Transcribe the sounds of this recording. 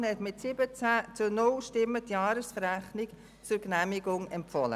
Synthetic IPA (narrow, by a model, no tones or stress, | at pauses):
nhɛtmɪtsɪbət͡sæːt͡sʊnʊlʃtɪmːətjɑːɾəsfəɾæχnɪk | t͡sʊɾɡnæmiɡʊŋɛmpfɔlə̰